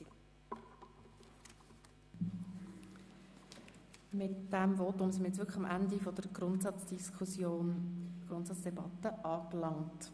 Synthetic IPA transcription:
mɪtd̥æmvɔt̪ʊmsɪnməjɛt͡sʋʏɾkʰχəχɑmʔænd̪ifɔd̥əɾɡntɑt͡sd̥iskʰusjoːnɡ̥ɾʊntsɑtt͡sd̥ɛbɑt̪ːəʔɑːklɑŋt

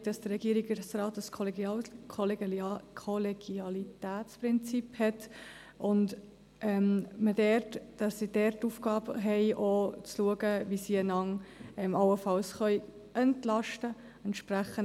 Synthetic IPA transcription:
d̥ɑsd̥ərɾɛɡ̥iəɾiɡəsrɑːtəskʰ | kʰɔlkʰɔlɛɡ̥iɑlitæːt͡spɾɪnt͡siphɛt | ʔʊnt | ɛmmədɛɾtd̥ɑsːid̥ɛrtːufɡɑːbɦɛɪʔot͡sluəɡəvisiːənɑŋɛmɑwəfɑlsχœʏ | ɛntlɑʃtə | ɛnʃpɾæχən

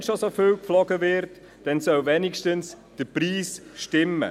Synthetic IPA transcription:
ʃosoføwkflɔɡəvɪɾt | d̥ɛnsœwvɛːnikʃtəns | d̥əɾpriːsʃtɪmːə̰

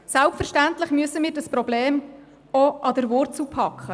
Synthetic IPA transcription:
sɛlptfəɾʃtænt̪lɪχmyəsəmiːɾdɑspɾɔbleːm | ɔɑd̪əɾvʊrtt͡supʰɑkχə

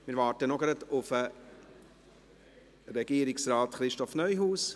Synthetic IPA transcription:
mɪːɾʋɑːtənɔɡɾɑdʊfə | ɾɛɡiːəɾɪksɾaːtχɾɪʃtɔfnœjɦuːs

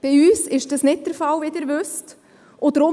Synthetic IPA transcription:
b̥iyːsɪʃd̥əsnɪt̚d̥̪əɾfɑlʋidɪɾʋøst | ʔʊd̥̪ɾʊ

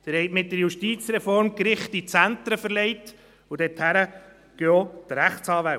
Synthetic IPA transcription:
d̪̥ɪɾhɛɪtmɪt̚dəɾjuʃtiːt͡sɾɛfɔɾmkɾɪχtit͡sænt̪ɾəfəɾlɛɪt | ud̥̪ɛthæɾə | ɡ̥øot̪ɾæχtsɑːʋæ

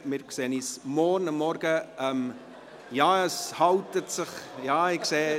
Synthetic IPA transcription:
mɪːɾkseːəniːsmɔɾnəmːɔɾɡəɛm | jɑːəshɑwtətsɪχjɑːɪkseː

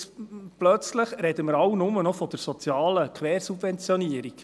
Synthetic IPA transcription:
plœt͡sləχɾɛd̪əməɾɑwnʊmənɔfɔd̥əɾsɔt͡sjɑːləkʰʋɛːɾsub̥vɛnt͡sjɔniəɾik

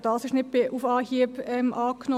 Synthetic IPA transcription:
d̥ɑːsɪʃnɪt̚b̥ɪufɑːhiəbɛmʔɑːkno

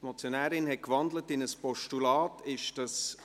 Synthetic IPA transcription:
mɔt͡sjonæːɾɪnɦɛt̚kʋɑndlətɪnəspɔʃtulɑːtɪʃd̥ɑs

